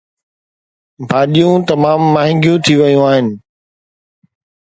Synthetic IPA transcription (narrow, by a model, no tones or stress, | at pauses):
bʱaːɗijũt̪ɐmaːmːaːɦɪ̃ŋɡjũt̪ʰiʋɐjũaːɦɪnɪ̆